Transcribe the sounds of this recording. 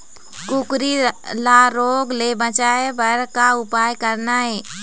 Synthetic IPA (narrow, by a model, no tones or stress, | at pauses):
kukɾilaɾoːɡlebət͡ʃaːebəɾkaʊpaːjkəɾnaɦɛː